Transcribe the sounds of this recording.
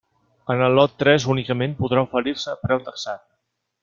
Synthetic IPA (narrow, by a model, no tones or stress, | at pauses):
ənəlˠːɔt̪ːɾɛzunikəmempuðɾaufəɾiɾsəpɾɛwt̪əksat̪̚